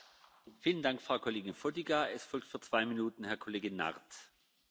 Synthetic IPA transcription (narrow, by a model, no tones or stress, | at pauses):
fiːləndaŋkfʁ̥aʊkʰoleːɡɪnfodiɡaɛsfɔlk̚tfyːɐt͡sv̥aɪminuːtn̩hɛɐkʰoleːɡɪna̰ʁt